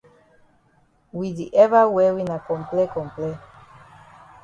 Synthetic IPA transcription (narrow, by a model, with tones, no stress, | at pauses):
wi˨di˨ʔɛ˦va˦wɛ˦wi˦na˨kɔ̃˨mplɛ˦kɔ̃˨mplɛ˦